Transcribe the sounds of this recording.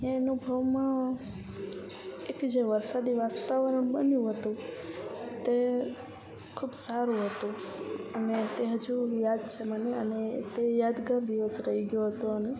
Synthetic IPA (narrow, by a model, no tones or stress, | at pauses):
enubʱəʋmã | ekd͡ʒeʋəɾsad̪iʋast̪aʋəɾəɳbənjũɦət̪ũ | t̪e | kʰubsaɾũɦət̪ũənet̪eɦəd͡ʒujad̪t͡ʃʰeməneənet̪ejad̪ɡəɾd̪iʋəsɾəiɡjoɦət̪oəne